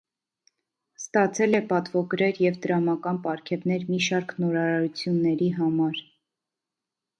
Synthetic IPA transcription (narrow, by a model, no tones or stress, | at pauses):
st̪ɑt͡sʰɛlɛpɑt̪vɔɡɾɛɾjɛvd̪əɾɑmɑkɑnpɑɾkʰɛvnɛɾmiʃɑɾknɔɾɑɾɑɾut͡sʰjunːɛɾiɦɑmɑɾ